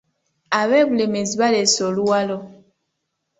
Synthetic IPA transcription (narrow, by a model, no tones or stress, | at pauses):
aβɛbulemeziβalɛsɔluwalɔ